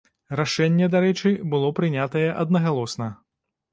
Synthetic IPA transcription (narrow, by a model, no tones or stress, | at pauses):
raʂɛnʲːɛd̪aɾɛt͡ʂɨbɨlˠɔpɾɨnʲat̪ɐjɛʔɐd̪̚nɐɣalˠɔsnɐ